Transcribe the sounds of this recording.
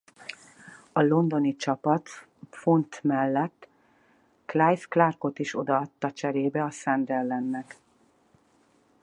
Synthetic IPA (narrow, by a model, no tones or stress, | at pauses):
ɒlo̞nd̪o̞nit͡ʃɒpɒt̪ | fo̞nt̪mɛlːɛt̪ː | klajsklarko̞t̪iʃo̞d̪ɒɒt̪ːɒt͡ʃɛɾeːbɛɒsɛnd̪rɛlːɛnːɛk